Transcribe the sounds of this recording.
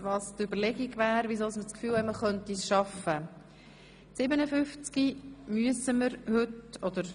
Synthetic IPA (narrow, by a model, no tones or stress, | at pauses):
vɑːstʏbəɾlɛɡiɡvæːɾvizɔlsmət͡skfyːlɛməχœntisʃɑfə | sɪbənəfʏft͡skimyəsəməɾhʏtɔd̪əɾ